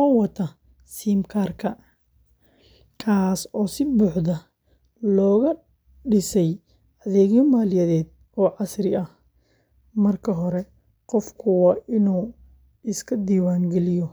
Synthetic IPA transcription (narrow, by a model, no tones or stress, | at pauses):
aːwɐt̪ʰɐ | siːmkʰaːrkʰɐ | kʰaːsɔːsɪbuːħðɐ | lɔːɣɐ | ɖɪsɛj | ɐðɛːɣjɔmaːlɪjɛðɛːd̪ | ɔːʕɑsɾɪɐh | mɐrkʰɐɦɔɾɛ | qɔfkʰʊwɑːʔɪnuː | ɪskʰɐd̪iːwaːŋɡɛlɪjɔ